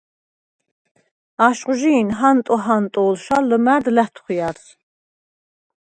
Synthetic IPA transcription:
aʃqʼʒiːnɦant̪ʼɔɦant̪ʼɔːlʃalːəmæɾd̪læt̪ʰχijaɾs

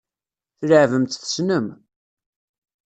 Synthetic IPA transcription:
θləʕvəmt̪θə̥snəm

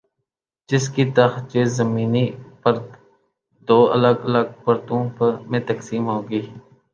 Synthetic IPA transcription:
d͡ʒɪskit̪əxt͡ʃeːzəmiːnipəɾt̪ | d̪oːə̰ləɡələɡ̚pəɾt̪õpəmẽt̪əksiːmɦoːɡiː

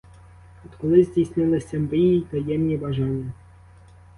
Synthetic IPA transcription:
ɔt̪kɔlˠɪzʲdʲijsʲnɪlˠɪsʲɐmbɪjit̪ɐjɛmnʲibaʒɑnʲːɐ

